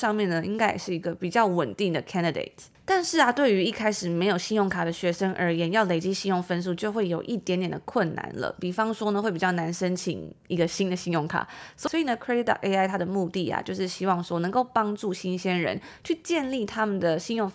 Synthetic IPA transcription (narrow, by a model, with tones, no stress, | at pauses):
ʂɑ˥˧ŋmjɛ˥˩nnə˩i˥ŋka˥ɪ˨˩ʂɻ̩˥˩i˧˥ɡə˧pi˨˩t͡ɕjɑ˥˩ʊwə˨˩nt̪i˥˩ŋd̪ə˩kʰɛ˥nd̪i˧dḛ˨˩ɪtʰ | t̪a˥˧nʂɻ̩˥˩ɐ˩t̪we˥˩ɪy˧˥i˥˩kʰa˥ɪʂɻ̩˨˩me˧˥ɪjo˨˩ʊɕi˥njʊ˥˩ŋkʰa˨˩d̪ə˦ɕɥɛ˧˥ʂə˥ŋʔə̰˞˧˥jɛ˧˥njɑ˥˩ʊle˨˩ɪt͡ɕi˥ɕi˥˧njʊ˥˩ŋfə˥ns̬u˥˧t͡ɕjo˥˧ʊxwe˥˩ɪjo˨˩ʊʔi˥˩t̪jɛ˧˦nt̪jɛ˨˩nd̪ə˦kʰwə˥˩nːa̰˧˩˦nlə̰˨pi˨˩fɑ˥ŋʂwɔ˥nə˧xwe˥˩ɪpi˨˩t͡ɕɑ˥˩na˧˥nʂə˥nt͡ɕʰḭ˨˦ŋi˧˥ɡə˧ɕi˥nd̪ə˨ɕi˥njʊ˥˩ŋkʰa̰˨˩swɔ˧˥ɔ˥i˨nə˧˦kʰɹɛ˥d̪i˥t̪ɑ̰˨˩kʔe˥ɪa˥˩ɪt̪ʰa˥d̪ə˨mu˥˧t̪i˥˨˩a̰˩t͡ɕjo˥˧ʊʂɻ̩˥˩ɕi˥wɑ˥˩ŋʂwɔ˥nɤ˧˥ŋko˥˩ʊpɑ˥ŋʈ͡ʂu˥˩ɕi˥nɕjɛ˥nɻə̰˧˦nt͡ɕʰy˥˧t͡ɕjɛ˥˧nli˥˩t̪ʰa˥mə˨nd̪ə˩ɕi˥˧njʊ˥˩ŋ